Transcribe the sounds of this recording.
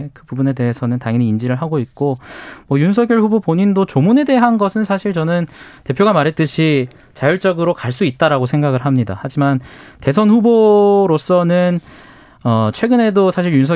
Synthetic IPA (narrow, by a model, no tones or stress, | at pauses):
kɯpubune̞de̞ɦesʰʌnɯntaŋiɲiːnd͡ʑiɾɯɭɦaɡoik͈omwʌjunsʰʌɡjʌɭɸubopoɲindot͡ɕomune̞de̞ɦanɡʌsʰɯnsʰaɕʰiɭt͡ɕʌnɯnte̞pʰjoɡamaɾɦe̞t͈̚ɯɕʰi | t͡ɕajʌɭt͡ɕ͈ʌɡɯɾokaɭs͈uit̚t͈aɾaɡosʰe̞ŋɡaɡɯɭɦamɲida̰had͡ʑimante̞sʰʌnɸuboɾos͈ʌnɯn | ʌt͡ɕʰwe̞ɡɯne̞dosʰaɕʰiɭjunsʰʌ